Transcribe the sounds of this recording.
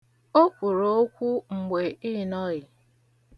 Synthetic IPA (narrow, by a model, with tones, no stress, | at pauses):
o˦kʷu˨ɾo˦kʷu˦ŋ͡m̩˨ɡ͡be˨i˦˨nɔ˦ɣɪ˨